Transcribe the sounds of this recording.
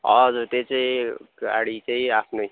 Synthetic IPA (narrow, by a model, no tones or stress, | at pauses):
ʌ̰d͡zuɾt̪et͡saĩɡa̰ɽit͡saĩapʰno